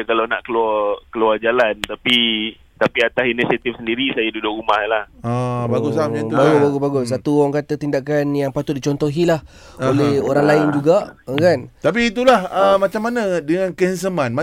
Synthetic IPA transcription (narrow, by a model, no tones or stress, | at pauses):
akalawna̰ʔkəluarkəluard͡ʒalant̪api | t̪apiat̪asinisiat̪ifsəndiɾisajadudʊʔɾumahlahabaɡusamɲaubaɡʊbaɡʊsbaɡʊs̬sat̪uaŋkat̪ət̪indaʔkanjaŋpat̪ʊt̪̚dit͡ʃɔnt̪ɔɦilah | olehoɾaŋlaɪnd͡ʒuɡakant̪ap̬iːt̪̬ulahəmat͡ʃamːanadəŋãnkəəns̬əmanm